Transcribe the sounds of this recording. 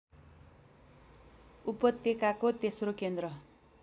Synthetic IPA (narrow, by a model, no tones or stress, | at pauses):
upʌt̪jekakot̪esrokend̪rʌ